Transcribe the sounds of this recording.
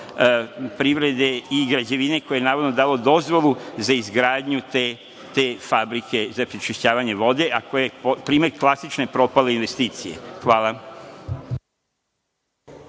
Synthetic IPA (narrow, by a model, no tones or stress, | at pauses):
pɾiʋɾe̞d̪e̞iɡɾad͡ʑe̞ʋine̞kojejenaːɾod̪no̞d̪aːlo̞d̪o̞zʋo̞lˠuzaizɡɾaːd̪ɲut̪e | t̪efabɾike̞zapɾit͡ʃiʃaːʋaɲe̞ʋo̞d̪e̞ʔakojepopɾiːme̞ɾklˠasit͡ʃne̞pɾo̞paleinʋe̞st̪iːt̪sijḛxʋaːlˠa